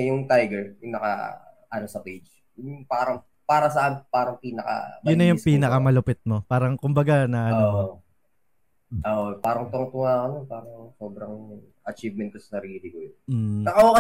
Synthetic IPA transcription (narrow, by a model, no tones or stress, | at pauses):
jʊŋt̪ajɡɛɹjʊŋnɐka̰ | ʔɐnosɐpejd͡ʒ | ŋpaːɾɐŋ | paːɾɐs̬ɐʔanpaːɾɐŋpiːnɐkɐ̰mjʊnːɐjʊŋpiːnɐkɐmɐlʊpɪt̪̚mo̞paːɾɐŋkʊmbɐɡanɐʔɐno | ʔoːʔopaːɾɐŋt̪ʊŋt̪ʊŋaːkononpaːɾɐŋso̞ːbɾɐŋ | ʔɐt͡ʃiːvmɛnt̪osnɐɾiːd̪ɪɡʊj̪̩nɐkɐok